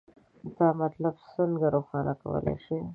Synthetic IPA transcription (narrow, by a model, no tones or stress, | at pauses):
d̪ɑmat̪labsəŋɡaɾoxɑnakawə̰lʔa̰jʃi